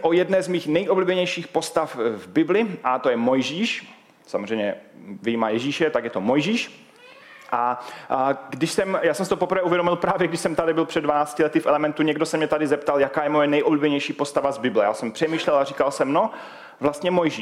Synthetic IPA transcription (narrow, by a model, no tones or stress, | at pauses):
ʔojɛdnɛːzmiːxnɛjʔobliːbɛɲɛjʃiːxpo̞st̪afvbɪblɪʔat̪ojɛmo̞jʒiːʃ | samozrɛjɲɛvɪjimaːjɛʒiːʃɛt̪akjɛt̪omojʒiːʃ | ʔa | ɡdɪʃsɛmjaːsɛmsɪt̪opo̞pr̩vɛːuvjɛdomɪlpɾaːvjɛɡdɪʃsɛmt̪adɪbɪlpr̝̥ɛdvanaːt͡scɪlɛt̪ɪfʔɛlɛmɛnt̪uɲɛɡdosɛmɲɛt̪adɪzɛpt̪aljakaːjɛmojɛnɛjʔobliːbɛɲɛjʃiːpo̞st̪avazbɪblɛja̰ːsɛmpr̥ɛmiːʃlɛlariːkalsɛmno | vlast̪ɲɛmojʒiː